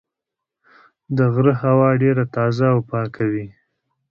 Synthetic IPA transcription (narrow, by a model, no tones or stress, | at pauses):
d̪əɣɾəhawɑɖeɾat̪ɑzaːwpɑkʰawi